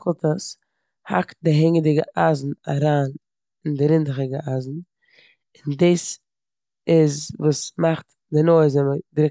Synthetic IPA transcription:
χlˠtəs | ha̰kt̚dɪɦɪŋədɪɡəʔazn̩a̰ɾaːn | ɪndɪɾɪndɪχɪɡəazn̩ | ɪndiːs | ɪzvuːsmaχt | dɪnoɪzɛmədɾɪk

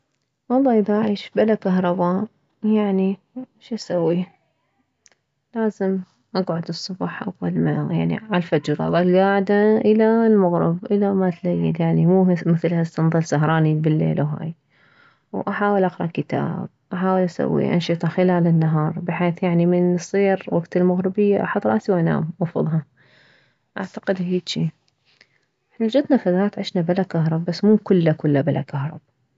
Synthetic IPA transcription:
wɑlˤːɑːʔɪbaʔaʕiːʃbalakaɦɾˤɑba | jaʕni | ʃʔasawːi | laːzɪm | ʔaɡʕʊd̪ɨsˤːʊbɑːħʔawːalmajaʕnḭʕalfad͡ʒɾˤɑ̰wʔalɡaːʕɪd̪aʔɪlalmʊɣɾɪ̰bʔɪlamat̪lajːɪ̰ljaʕnimuːmɪθlhast̪ɑnðˤɨlsaɦɾˤɑːnibɪlːḛːlawɦa̰ːj | wʔaħaːwɪlʔaqɾˤɑʔkɪt̪a̰ːb̚ʔaħaːwɪlʔasa̰wːḭʔa̰nʃɨt̪ˤɑxɪlaːlɪnːaɦɑːɾˤbɪħeːθjaʕnimɪnsˤiːɾwaɡt̪ɪlmʊɣɾɪbɪjːaʔa̰ħat̪ˤɾˤɑʔsiwʔana̰ːmʔɑfʊ̰ðˤɦɑ | ʔaʕt̪ḁqɪd̪hiːd̪ʃiː | ʔʔɪħnald͡ʒad̪nafaðaːt̪ʕɪʃnabɪlakaɦɾˤɑbːasːmuːkʊlːakʊlːabɪla̰kahɾˤɑ̰b

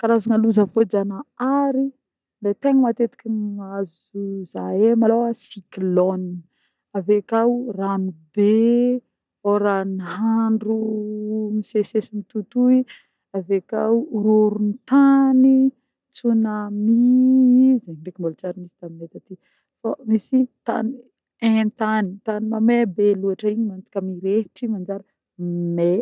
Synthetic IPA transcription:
kaɾazaŋaluzəfod͡zanaaɾi | d̪et̪eŋəmat̪et̪i̥kʲinaz | uzaemalowasiklɔn | avekawranibe | oɾaniɦaɳɖ͡ʐu | misesesimit̪ut̪ui | aveka̰wɾoɾunit̪ani | t͡sunami | zeɳɖ͡ʐekimbolt͡saɾinisi̥t̪aminet̪at̪i | famisit̪a̰ni | ẽnt̪anit̪animamebeluaʈ͡ʂəiɲimant͡si̥kʲamiɾeʈ͡ʂimand͡ʒaɾə | me

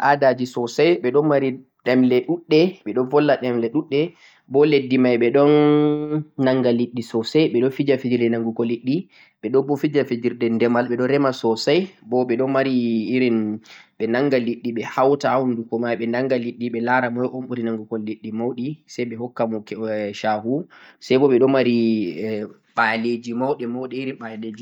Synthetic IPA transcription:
ʔadad͡ʒisɔsajɓɛɗɔnmaɾi | ɗɛmlɛɗuɗːɛɓɛɗɔnvɔlːaɗɛmlɛɗuɗːɛ | bɔledːimajɓɛɗɔnː | aŋɡaliɗːisɔsajɓɛɗɔnfid͡ʒafid͡ʒiɾdɛnaŋɡukɔlːiɗːi | ɓɛɗɔbɔfid͡ʒafid͡ʒiɾdɛndɛmalɓɛɗɔnɾɛmasɔsajbɔɓɛɗɔnmaɾiːɾinɓɛnaŋɡaliɗːiɓɛhawtawundukɔmajɓɛnaŋɡaliɗːiɓɛlaɾamɔjɔʔomɓuɾinaŋɡukɔlːiɗːimawɗisajɓɛhɔkːamɔkʃahusajbɔɓɛɗɔnmːaɾi | ɓaled͡ʒimawɗɛmawɗɛiɾinɓaled͡ʒi

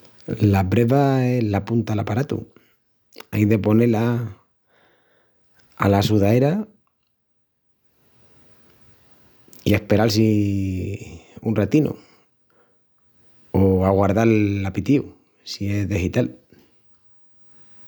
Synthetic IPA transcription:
lapɾeβae̞ɦlapunt̪alapaɾat̪ṵ | ajðe̞po̞ne̞la | a̰lasuðae̞ɾa | ie̞hpe̞ɾalsi | unrat̪ino̰ | oaɣwaɾðaɾlapit̪iu | sie̞zðixit̪al

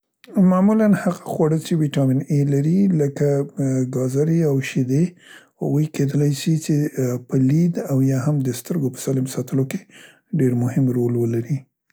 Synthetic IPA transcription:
mamulanhaɣaxwɑɽət͡ʃewiʈɑminelaɾiləkaɡɑzaɾiawʃid̪eha̰ɣujked̪əlajsit͡ʃepəlid̪awjɑɦamd̪əst̪əɾɡopə̥sɑlɪmsɑt̪əloke̥ | ɖeɾmʊhɪmɾolwəlaɾi

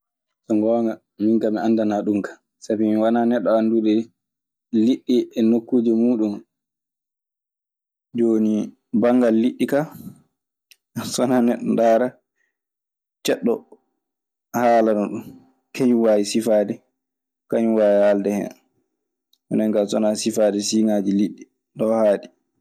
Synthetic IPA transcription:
sɔŋɡɔŋɡa | miŋkamiandanaɗumkḁ | sabimiwananɛɗːɔandudɛ | liɗːiʔɛnokːuːd͡ʒɛmuːɗum | d͡ʒoːni | baŋɡalːiɗːika | sɔnanɛɗːɔndaːɾa | t͡ʃɛɗːɔ | haːlanɔɗun | kʰeɲuwaːjisifaːdɛ | kaɲuwaːjhaldɛhɛ̰ | ʔɔnɛŋkasɔnasifaːdɛsiːŋaːd͡ʒiliɗːi | ɗɔhaːɗi

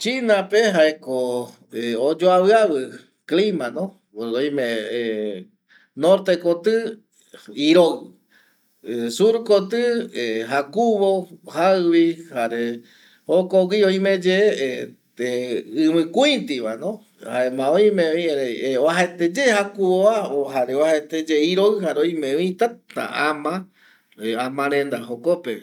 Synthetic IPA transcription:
t͡ʃinapeɦaeko | od͡ʒoaβɨaβɨ | klimãnõ | oj̃mẽ | noɾt̪ekot̪ɨ | iɾoɣ | esuɾkot̪ɨeɦakuβohaɨβihaɾe | hokowioj̃mẽd͡ʒe | t̪eɨmɨ̃kuĩt̪iβa̰nõ | haemãoj̃mẽĩɾeeoaɦaet̪ed͡ʒehakuβoaoɦaɾeohaet̪ed͡ʒeiɾoɨhaɾeoj̃mẽʋĩt̪at̪a̰amã | amãɾẽnd̪aɦokope

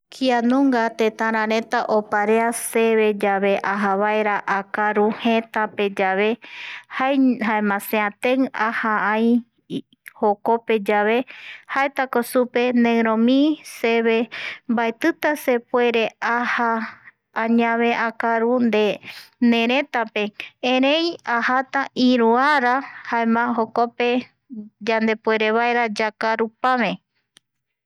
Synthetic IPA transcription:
kʰianõŋɡat̪et̪ãɾ̃ãɾẽt̪aʔopaɾease̞βe̞d͡ʒaβe̞ʔaɦaβaeɾaʔakaɾuhẽt̪ape̞d͡ʒaβe̞haeɦaemãseãt̪eŋahaaĩ | hokope̞d͡ʒaβe̞haet̪akosupe̞nẽɾõmĩseβembaet̪ɨt̪ase̞pwe̞ɾe̞aha | ãɲãβe̞ʔakaɾund̪enẽ̞ɾ̃ẽ̞t̪ape̞ẽɾe̞jahat̪aʔiɾuaɾahaemãɦo̞kope̞ | d͡ʒand̪e̞pwe̞ɾe̞βaeɾad͡ʒakaɾupamẽ̞

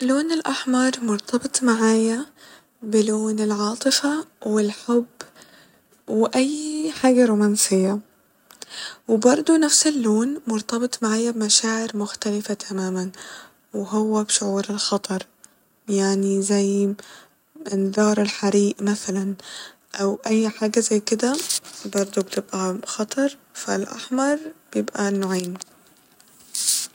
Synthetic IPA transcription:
loːnɪlʔaħmɑɾˤmʊɾˤt̪ʰɑbɨt̪ˤmaʕaːja | bɪloːnɪlʕɑːt̪ˤɨfawɪlħʊbː | wʔajːħaːɡaɾuːmaːnsɪjːa | wbɑɾˤd̪ˤunafsɪlːoːnmʊɾˤt̪ɑbɨt̪ˤmaʕaːjabmaʃaːʕɪɾmʊxt̪alɪfat̪ʰamaːman | wɪɦʊwːabʃʊʕuːɾɪlxɑt̪ˤɑɾˤ | jaʕnizaj | mɪnðɑːɾˤɪlħaɾiːʔmaθalan | ʔawʔajːħaːɡazajːkɪd̪abɑɾˤd̪ˤubt̪ɪbʔaxɑt̪ˤɑɾˤfalʔa̰ħmɑɾˤb̥jɪbʔanːʊʕiːn

